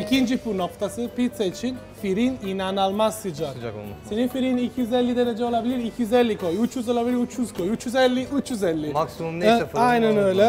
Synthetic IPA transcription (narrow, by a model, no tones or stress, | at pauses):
icʰind͡ʒifuɾno̞kt̪ʰasɯpit̪sait͡ʃʰin | fiɾininanalˠmazsɯd͡ʒad͡ʒa̰se̞ninfiɾinicʰjyzɛlʲːid̪eɾed͡ʒɛo̞lˠabilʲiɾicʰijyzɛlʲːikʰo̞jut͡ʃʰjyzo̞lˠabilʲiɾut͡ʃʰjyz̥kʰo̞jut͡ʃjyzɛlʲːiyt͡ʃjyzɛlʲːimaksumumnɛsɛfajnanøjlʲɛ